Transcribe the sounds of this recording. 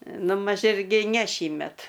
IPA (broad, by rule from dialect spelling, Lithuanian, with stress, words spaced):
ˈnʊ mɐʃ ˈɪrʲɡʲɪ nʲɛ ˈʃʲiːmʲɛt